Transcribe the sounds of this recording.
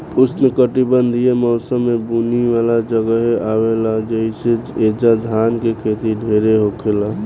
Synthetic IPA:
ʊsnekəʈibənd̪ʱiemɔːsəmːebuniʋalad͡ʒəɡəɦeʔawelad͡ʒəiseed͡ʒad̪ʱankekʰet̪iɖʱeɾeɦokʰela

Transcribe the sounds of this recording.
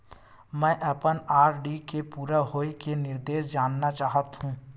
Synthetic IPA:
mɛ̃ːʔəpənaːɾɖikepuːɾaɦoːekenɪɾd̪eːʃd͡ʒaːnːat͡ʃaːɦət̪ɦũː

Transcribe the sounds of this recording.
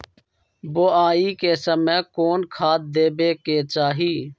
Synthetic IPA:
boːaːiːkeːsəmẽːkoːnkʰaːt̪̚d̪eːbeːkeːt͡ʃaːɦiː

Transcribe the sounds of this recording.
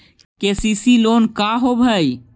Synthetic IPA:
kesisilonkaɦobʱəj

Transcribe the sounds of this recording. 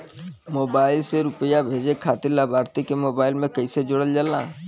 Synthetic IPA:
moːbaːɪlseɾʊpəjabʱeːd͡ʒekʰaːt̪ɪllabʱaːɾt̪ikemoːbaːɪlmẽkɐised͡ʒʊɽəld͡ʒəlna̰ː

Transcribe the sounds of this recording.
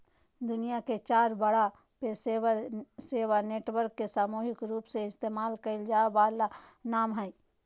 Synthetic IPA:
d̪ʊnijaket͡ʃaːɾbəɽa | pes | seːwaneːʈwəɾkːesaːmuːɦɪkɾuːpseɪst̪eːmaːlkəɪld͡ʒaːbaːlanaːmɦɛ

